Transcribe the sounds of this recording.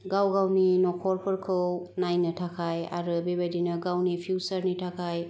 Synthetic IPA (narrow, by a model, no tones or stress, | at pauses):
ɡawɡawninɔkʰɔɾpʰɯɾkʰɯwnajnɯtʰakʰaja̰ɾɯbebajdinɯɡawnipʰiwsəɾnitʰakʰaj